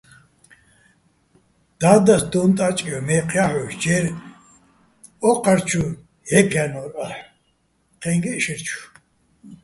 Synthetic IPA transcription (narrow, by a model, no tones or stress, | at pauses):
d̪̥aːd̪asd̪ɔnt̪ʼat͡ʃʼijɔmɛqʰjaħɔʃd͡ʒɛɾ | ɔqʰaɾt͡ʃʰu | hɛpʰjanɔɾaħ | qʰɛŋɡɛʃiɾt͡ʃʰu̥